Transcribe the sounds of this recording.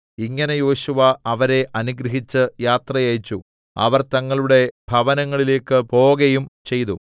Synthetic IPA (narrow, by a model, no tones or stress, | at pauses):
iŋːɐne̞jo̞ːɕuʋɐɐʋɐɾe̞ʔɐnuɡɾɐɦit͡ɕːɨjaːt̪rɐjejt͡ɕːu | ɐ̰ʋɐrt̪ɐŋːɐɭuɽe̞b̥ʱɐʋɐnɐŋːɐɭile̞ːkːɨpo̞ːɣɐjumt͡ɕe̞jt̪u